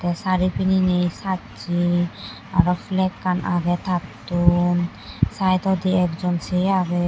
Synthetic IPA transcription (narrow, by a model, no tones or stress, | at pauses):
t̪ɛsaɾipininejsa | t͡ʃi | aɾɔfʰlɛkːanʔa̰ɡɛt̪at̪un | sajt̪ɔd̪iɛk̚d͡ʒɔnsiaɡɛ